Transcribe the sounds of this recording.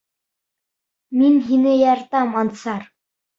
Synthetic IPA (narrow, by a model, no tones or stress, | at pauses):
minxeneːjart̪aːmɔnt̪saːr